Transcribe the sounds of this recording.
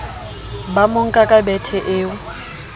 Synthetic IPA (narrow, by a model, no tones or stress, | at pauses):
bamoŋ̩kʼakʼabɛtʰɛʔeːwʊ